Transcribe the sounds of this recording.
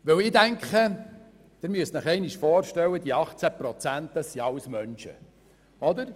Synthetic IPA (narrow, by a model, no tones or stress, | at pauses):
ʋɵwɪːdæŋkχə | d̥ɪɾmyəstnəχɛɪniʃfɔːɾʃtɛwəd̪iɑχt͡sæpɾɔt͡sænt̪əsiɑwsmœnʃə̰ | ɔd̪əɾ